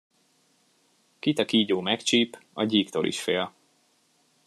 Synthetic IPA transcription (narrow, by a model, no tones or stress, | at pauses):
kit̪ɒkiːɟoːmɛkt͡ʃiːpɒɟiːkt̪olʔḭʃfeːl